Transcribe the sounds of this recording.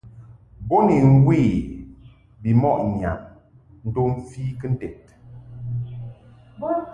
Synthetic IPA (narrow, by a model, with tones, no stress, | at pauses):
bo˦ni˨ŋ̩˦wi˦˨ | bi˨mɔ˦ʔɲ˨a̰˨m | n̩˦to˦m̩˦fiː˦kə˦n̩˦tɛ˨t̚